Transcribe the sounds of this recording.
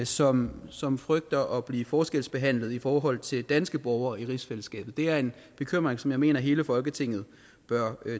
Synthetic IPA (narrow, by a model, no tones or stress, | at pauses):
sɒ̽msɒ̽mfʁœɡ̥̚d̥ɐʔɒ̽b̥liːfɒːsɡ̥el̰sb̥e̝ɦæn̰lð̞ˠifɒːɦɒ̽l̰t͡sʰe̝ld̥ænsɡ̥əb̥ɒʊɐːiʁisfeləsɡ̥ɛ̰ːb̥ð̩ˠd̥e̝æɐe̝n | b̥e̝kʰøm̰ʁeŋsɒ̽mjɑ̈ɪme̝̰ːnɐɦe̝ːləfɒ̽lɡ̥ət͡sʰe̝ŋ̰ð̩ˠ | b̥ɶɐ